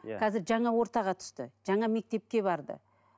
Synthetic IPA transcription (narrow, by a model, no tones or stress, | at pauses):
qʰɑzɪɾʒɑɴɑwo̞ɾt̪ɑʁɑt̪ʰʏ̥st̪əʒ̥ɑɴɑme̞k̚t̪e̞p̚kʲe̞bɑɾd̪ə̰